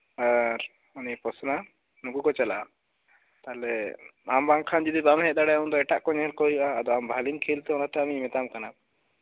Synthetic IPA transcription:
aɾ | ɔnipɔsna | nukukɔt͡ʃalaʔa | t̪alɛambaŋkʰand͡ʒid̪ibamɦɛd̪aɽɛjɔnd̪ɔɛʈaʔkɔɲɦɛlkɔɦiʔaːd̪ɔambʱalinkʰilt̪ɛɔnat̪ɛamiɲmɛt̪amkana

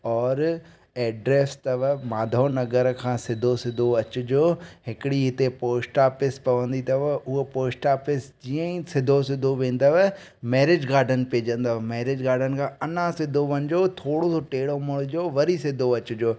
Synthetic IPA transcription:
ɔːɾ | ɛːɖɾeːst̪ɐʋmaːd̪ʱonɐɡəɾkʰãːsɪd̪ʱosɪd̪ʱoɐt͡ɕʊd͡ʑoːɦɪkɪɽiɦɪt̪epoːsʈaːpɪspɐʋə̃nd̪it̪ɐʋʊɦopoːsʈaːpɪsd͡ʑiːə̃ĩsɪd̪ʱosɪd̪ʱoʋẽːn̆d̪aʋ | mɛːɾɪd͡ʑɡaːɾɖənpeːd͡ʑə̃nd̪aʋmɛːɾɪd͡ʑɡaːɾɖənɪ̆kʰãːɐnãsɪd̪ʱoʋɐ̃nɪ̆d͡ʑot̪ʰoːɽot̪ʰoʈeːɽomʊɽʊd͡ʑoːʋɐɾisɪd̪ʱoɐt͡ɕʊd͡ʑoː

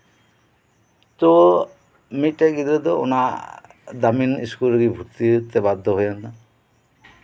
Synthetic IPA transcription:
t̪o | miʈeɡid̪ed̪ɔo̰na | d̪aminḭskulɡibʱuɾt̪it̪ebad̪ʱːɔɦojɔna

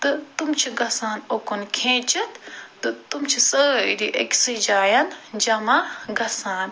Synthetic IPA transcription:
t̪ɨt̪umt͡ʃʰiɡɐsaːnokunkʰẽːt͡ʃɐt̪t̪ɨt̪umt͡ʃʰisəːɾiʔɐ̰kʲsɨd͡ʒaːjɐnd͡ʒɐmaɡɐsãːn

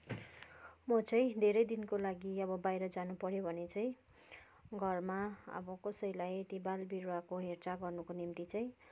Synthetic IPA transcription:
mʌt͡sʌj̃d̪ʱeɾʌjd̪inkolaɡiʌbʌbajɾʌd͡zanupʌɾjobʱʌnet͡sʌĩ | ɡʱʌrmaʌ̰bʌkʌsʌjlajet̪ibalbiɾuakoɦert͡saɡʌrnukonimt̪it͡saĩ

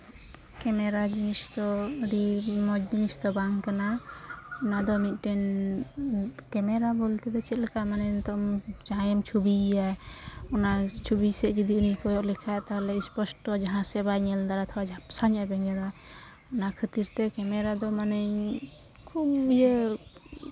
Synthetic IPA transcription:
kɛmɛɾad͡ʒinisd̪ɔəɽimɔd͡ʒd͡ʒinisd̪ɔbaŋkana | ɔnad̪ɔmit̪̚ˀʈɛn | kɛmɛɾabɔlt̪ɛd̪ɔt͡ʃɛt̪̚lɛkamanɛnt̪ɔmd͡ʒaɦãjɛmt͡ʃʰubijaɔnat͡ʃʰubisɛɡid̪iunikɔjɔʔlɛkʰat̪aɦlɛispɔsʈɔd͡ʒaɦãsɛbajɲɛld̪aɾat̪ʰɔwad͡ʒsaɲɛbɛŋɛd̪a | ɔnakʰət̪iɾt̪ɛkɛmɛɾad̪ɔmanəɲ | kʰubd͡ʒɛ

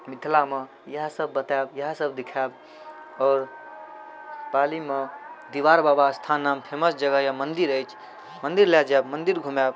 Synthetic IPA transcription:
mid̪ʰʱlame | jəɦsəb̚ːət̪ɛbjəɦsəbd̪ikʰɛb | ɔːɾ | palimed̪iʋaɾbabast̪ʰanːampʰeməsd͡ʒəɡəjəmənd̪iɾəjt͡ʃʰ | mənd̪iɾlɛd͡ʒɛbmənd̪iɾɡʱumɛb

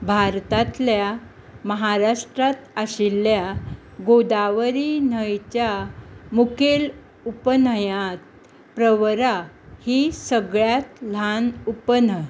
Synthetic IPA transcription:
bʱaɾt̪at̪lja | məɦaɾaʂʈɾat̪əɕilːja | ɡod̪aʋɾinəjt͡ɕjamukel | upənəjat̪̚ | pɾəʋɾa | hisəɡɭjat̪lanupənə

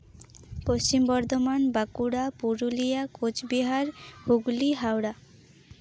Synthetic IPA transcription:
post͡ɕimbɔɾd̪ʱomanbakuɽapuɾulijakot͡ʃbiɦaɾhuɡliɦawɽa

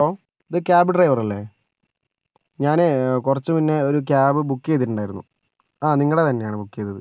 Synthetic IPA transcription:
ɐoː | iðɨkʲaːbɨʈrɐjʋɐrɐlːe | ɲaːnekurɐt͡ɕːɨpinːe̞o̞ɾuk̬ʲjaːbɨbukːejt̪̬iʈːuɳɖaːjiɾunːṵ | aːniŋːɐɭɽet̪ɐnːe̞jaːɳɨbukːejt̪ːɐðɨ

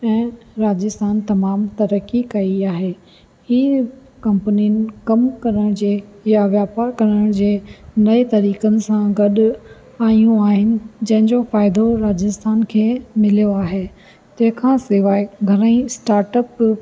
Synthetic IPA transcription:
ɛ̃ːɾaːd͡ʑɪst̪ʰaːnt̪ɐmaːmt̪ɐɾəkikɐiaːɦeː | iː | kɐ̃mpəniənɪ̆kɐmkɐɾəɽ̃d͡ʑeːjaʋjaːpaːɾkɐɾəɽ̃d͡ʑeːnɐit̪ɐɾiːkənɪ̆sãɡɐɗʊ | aːijũaːɦɪnɪ̆d͡ʑɐ̃ɦɪ̃ɲd͡ʑofaːɪd̪oɾaːd͡ʑɪst̪ʰaːnkʰeːmɪlijoaːɦeː | t̪ɐ̃ɦɪ̃kʰãːsɪʋaːeɡʱɐɾəĩsʈaːɾʈəp

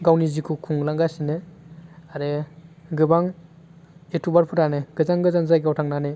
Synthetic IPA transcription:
ɡawnizikʰukʰuŋlaŋɡasine | aɾeɡɯbaŋ | ek̚tʰubaɾpʰɯɾaneɡ̥ɯzaŋɡɯzaŋzajɡawtʰaŋnane

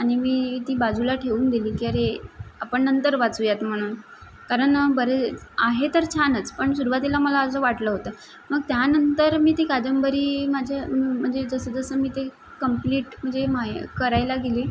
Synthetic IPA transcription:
aɽ̃imiːt̪iːbad͡zulaʈʰeuːnd̪iliːkiːəɾeapəɳnənt̪əɾʋat͡sujat̪m̤əɽ̃uːn | kaɾəɳbəɾeaɦet̪əɾt͡ɕʰanət͡spəɳsuɾuʋat̪ilaməlaəsəːʋaʈləːɦot̪əː | məɡ̚t̪janənt̪əɾmiːt̪iːkad͡ʑəmbəɾiːmad͡ʑʱjam̤əɳd͡zed͡zəsəd͡zəsəːmiːt̪e | kəmpliːʈm̤əɳd͡zemakəɾajlaɡeliː

